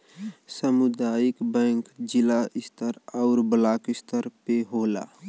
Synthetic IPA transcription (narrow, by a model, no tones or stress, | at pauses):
səmud̪aːjikbɛ̃ːŋkd͡ʒɪlaɪst̪ʰəɾaʊɾbəlaːkɪst̪ʰəɾpeɦoːla̰